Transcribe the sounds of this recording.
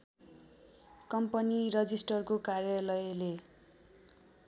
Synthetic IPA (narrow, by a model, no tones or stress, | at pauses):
kʌmpʌnirʌd͡zisʈʌrkokarjʌlʌjle